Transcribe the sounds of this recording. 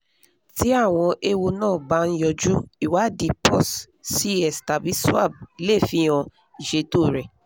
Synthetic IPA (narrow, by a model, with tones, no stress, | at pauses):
ti˦a˦˨w̃ɔ̃˧ʔe˧wo˧nãː˦˨ba˧˦n̩˦jɔ˧d͡ʒu˦i˦˨wa˨˦di˧pɔ˦˨s | si˦ɛ˨sta˨bi˨˦swa̰˦˨b̚i˨le˦˨fĩ˧˦ɔ̃˧ | i˨ʃe˨˦to˦˨ɾɛ˨